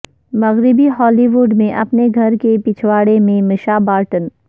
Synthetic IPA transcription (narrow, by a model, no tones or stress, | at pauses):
mɐɣɾɪbiɦɔːliːʋʊɾɖmẽʔɐpneɡʱɐɾkepɪt͡ʃʰwaːɽemẽmɪʃabaːɾʈən